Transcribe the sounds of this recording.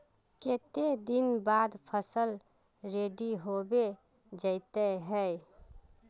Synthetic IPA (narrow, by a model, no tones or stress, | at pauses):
ket̪ed̪inbad̪pʰəsəl | ɾeɖiɦobe | d͡ʒəɪt̪əɦəj